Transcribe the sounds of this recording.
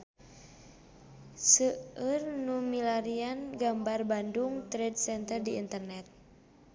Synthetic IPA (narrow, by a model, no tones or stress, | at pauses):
səɨrnumilaɾianɡambarbanduŋt̪ɾɛdsɛnt̪ərdiint̪ərnɛt̪̚